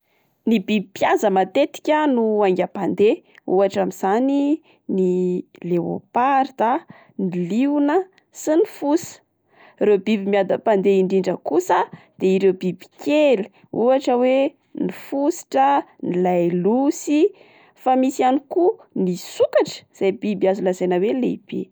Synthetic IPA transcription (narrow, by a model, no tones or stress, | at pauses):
nibibipjazəmat̪et̪i̥kʲanuaŋɡʲapand̪eṵaʈ͡ʂamiz̥ani | nilewo̰paɾt̪a | niliunə | sinifusə̥ | rewbibimiad̪apand̪eiɳɖ͡ʐiɳɖ͡ʐəkusəd̪̥eiɾewbibi̥kʰʲeli̥ | uaʈ͡ʂəwe | nifusi̥ʈ͡ʂənilajlusi | famisianikunisukaʈ͡ʂə̥z̥ajbibiazunlazajnawelḛib̥ḛ